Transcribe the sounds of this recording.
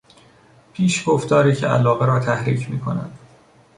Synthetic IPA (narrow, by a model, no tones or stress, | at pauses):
pʰiːʃɡoft̪ɒːɾiːcʰeæ̰lɒːɣeɾɒːt̪ʰæhɾḭːcʰmiːkʰo̞næ̰d̪̥